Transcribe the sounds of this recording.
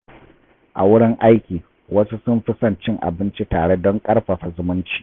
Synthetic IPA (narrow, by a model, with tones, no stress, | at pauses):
ʔa̰˨wʊ˦ɽɪ˦ŋʔa˦jkʲiː˨ | wɐ˦su˦sʊ˦mɸɪ˦sɐ˦˨nt͡ʃɪ˦ŋʔa̰˨bɪ˦nt͡ʃi˦taː˨ɽe˦dɔ˦ŋkʼɐ˦rɸa˨ɸa˨zʊ˦mʊ˦nt͡ʃi̥˦